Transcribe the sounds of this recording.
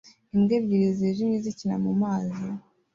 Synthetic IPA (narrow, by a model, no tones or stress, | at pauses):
imɡeːbɟiɾizeʒimɲizicina̰mumaːzi